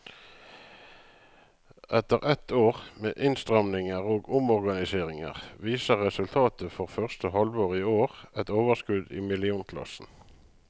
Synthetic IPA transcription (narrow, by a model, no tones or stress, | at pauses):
ʔɛt̪əʁɛt̪ʰoːʁmḛːʔɪnst̪ʁœmnɪŋəʁoːɡʊmɔʁɡɑnɪseːʁɪŋə̰ʁʋiːsəʁɛsʉlt̪ʰɑːt̪ʰəfɔʁfœʁst̪əhɑlʋoːʁɪoːʁɛt̪oːʋəʁskʉd̪ḭːmɪlɪuːnkʰlɑ̰sn̩